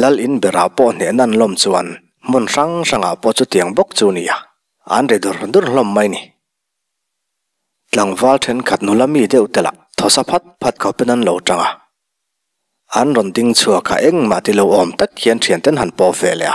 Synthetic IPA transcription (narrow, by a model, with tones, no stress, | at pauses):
lɐ˧lʔi˨nbɛ˨ɾa˨pɔ˧ʔn̥ɛ˨na˧˨nlɔ˧˨mt͡su˧a̰˨n | mʊ˥˨nʂa˦˥ŋʂa˨ŋa̰˨pɔ˥ʔt͡su˧˦t̪i˨˩əŋbɔ˦k̚t͡su˧ni˨ʔa˨ | ʔa̰˨˦nrɛ˨d̪u˨rd̪u˦rɬlɔ˧mːɐ˦jni˨ | t͡ɬa˨ŋva˧˦ltʰɛ˧˥nkʰɐ˨t̪̚nu˨la˧mːi˧˨d̪ɛ˥˨wt̪ɛ˨la̰˨t̪ʰɔ˨sa˧pʰa˦t̪̚pʰa˧t̪̚kʰa˨wpɛ˦na˨nlɔ˨wʈ͡ʂa˧˨ŋa˨ | ʔa˨˦nrɔ˨nd̪i˧ŋt͡sʰu˧ɐ˩kʰa̰˨ʔɛ˦˥ŋma̰˨ʔt̪i˧˨lɔ˧wʔɔ˨mt̪a˦˥kʰːi˨ə˦nʈ͡ʂʰi˨ə˨nt̪ɛ˦nɦa˨npɔ˧˨vɛ˨lɛ̰˨ʔa˨